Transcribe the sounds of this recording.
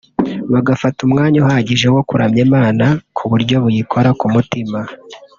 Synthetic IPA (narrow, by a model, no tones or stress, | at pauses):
βaɡafatumŋaːɲoɦaɟiʒewo̞kuɾamɲemaːnakʰuβuɾɟo̞βujikʰo̞ɾakumutima